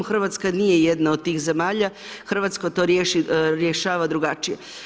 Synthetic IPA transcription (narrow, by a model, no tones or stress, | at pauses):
xr̩ʋat̪skanijejed̪naod̪̚t̪iːxze̞maːʎa | xr̩ʋat̪skot̪o̞ɾjeʃiɾjeʃaːʋad̪ɾuɡat͡ʃije